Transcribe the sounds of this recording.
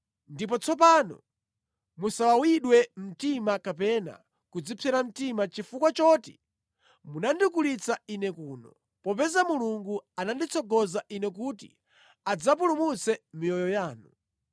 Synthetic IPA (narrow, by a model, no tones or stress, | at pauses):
ndip̬ɔt͡sʰɔpaːnɔ̰ | musawawiɗwɛm̩timakapɛna̰ | kud͡zipʰɛɾam̩timat͡ʃifukwat͡ʃɔti̥̰ | munandikulit͡sainɛkuːnɔ | pɔpɛzamuluŋɡuanandit͡sʰɔɡɔzaʔinɛkutḭ | ad͡zap̬ulumut͡sɛmijɔjɔjaːnu